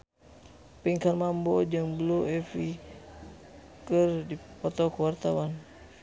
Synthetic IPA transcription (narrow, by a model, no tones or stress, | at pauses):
piŋkanmambɔd͡ʒəŋbluɛfi | kərdipɔt̪ɔkəwart̪awan